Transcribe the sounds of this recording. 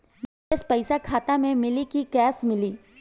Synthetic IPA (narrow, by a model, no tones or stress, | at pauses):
mɐ | espɛɪsakʰaːt̪amẽmɪlikikɛːsmɪliː